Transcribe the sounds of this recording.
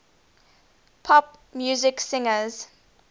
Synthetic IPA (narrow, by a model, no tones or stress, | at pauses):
pʰɔpmjuːzɪksɪ̃ŋəz̥